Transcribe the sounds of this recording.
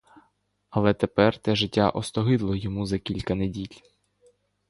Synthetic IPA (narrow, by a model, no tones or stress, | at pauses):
ɐlˠɛt̪epɛrt̪ɛʒɪtʲːaʔɔst̪ɔɦɪd̪lˠɔjɔmuzɐkʲilʲkɐnedʲilʲ